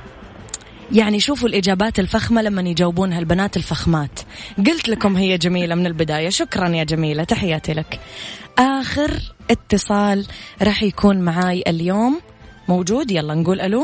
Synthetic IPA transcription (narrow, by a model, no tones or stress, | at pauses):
jaʕniʃuːfʊlʔɪd͡ʒaːbaːt̪ɪlfaxmalamːanjd͡ʒawːɪbuːnɦalbanaːt̪ɪlfaxmaːt̪ɡʊlt̪lakʊmɦɪjːad͡ʒamiːlamɪnɪlbɪd̪aːjaʃʊkɾˤɑnjad͡ʒamiːlat̪aħɪjːaːt̪ilakʔaːxɪɾʔɪt̪ːɨsˤɑːlɾˤɑːħjakʰuːnmaʕaːjʔɪljoːmː | owd͡ʒuːd̪jɑlˤːɑnɡuːlʔalu